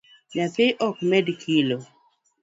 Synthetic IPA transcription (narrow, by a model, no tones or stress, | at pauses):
mjapɪʔɔkmɛdkʰilo